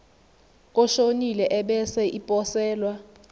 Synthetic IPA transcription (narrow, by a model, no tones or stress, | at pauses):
k̬ʼɔʃonilɛʔɛɓɛsɛʔipʼɔsɛːlwa